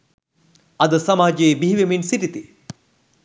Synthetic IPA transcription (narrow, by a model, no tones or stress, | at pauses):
ɐd̪əsamaːd͡ʒeːbiɦiʋeminsiʈit̪i